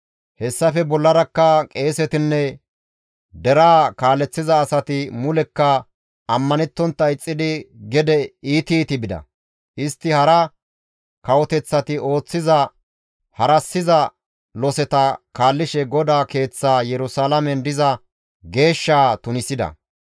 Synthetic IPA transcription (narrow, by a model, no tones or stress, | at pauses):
hɛsːɐfɛbɔlːɐɾɐkːɐkʼe̞ːsɛt̪ɪnːɛ | d̪ɛɾaːkaːlːɛt͡sːɪzɐːsɐt̪ɪmʊlɛkːɐ | ɐmːɐnɛt̪ːɔnt̪ːɐɪt͡sʼːɪd̪ɪɡɛd̪ɛiːt̪iːt̪ɪbɪd̪ɐ̰ | ʔɪst̪ːɪhɐɾɐ | kɐwɔt̪ɛt͡sːɐt̪ɪo̞ːt͡sːɪzɐ | hɐɾɐsːɪzɐ | lɔsɛt̪ɐkaːlːɪʃɛɡɔd̪aːke̞ːt͡sːaːjɛɾʊsaːlɐmɛnd̪ɪzɐ | ɡe̞ːʃːaːt̪ʊnɪsɪd̪ɐ̰